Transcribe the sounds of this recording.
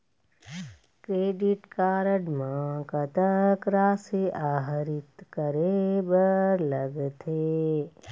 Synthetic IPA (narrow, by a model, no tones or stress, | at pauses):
kɾeːɖɪʈkaːɾəɖmãkət̪əkɾaːseʔaːɦɾɪt̪kəɾebəɾləɡt̪ʰe